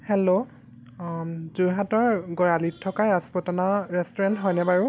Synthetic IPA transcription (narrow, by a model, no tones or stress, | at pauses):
hɛlo | zujɦatɔɹɡɔjalitʰːɔkaaspɔtɔnaɹɛstɔɹɛntɦɔjnɛbaɹu